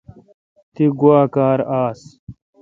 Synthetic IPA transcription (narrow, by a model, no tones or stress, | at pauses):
t̪iɡuaːkaːɾaːs